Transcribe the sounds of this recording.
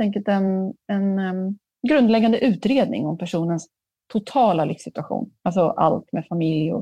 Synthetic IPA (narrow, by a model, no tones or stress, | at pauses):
t̪ʰɛŋk̬əlt̪ɛnɛn | ɡɾɵnd̪lɛɡːand̪əʔʉ̟ːt̪ɾeːd̪nɪ̰ŋɔmpʰæʂuːnəns | t̪ʰʊt̪ʰɑːlalʏfsɪt̪ɵaɧṵːnals̬ɔʔa̰lt̪mɛfamɪljʊ̰